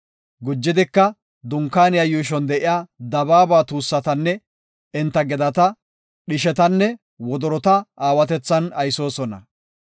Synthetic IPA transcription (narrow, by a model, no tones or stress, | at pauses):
ɡʊd͡ʒːɪd̪ɪkːɐ | d̪ʊŋkːaːnɪjɐjuːʃ̬ɔnd̪ɛʔɪjaːd̪ɐbaːbaːt̪uːsːɐt̪ɐnːɛ | ɪnt̪ːɐɡɛd̪ɐt̪ɐ | ɗɪʃɛt̪ɐnːɛ | wɔd̪ɔɾɔt̪ɐaːwɐt̪ɛt͡sːɐnɐjso̞ːsɔnɐ̰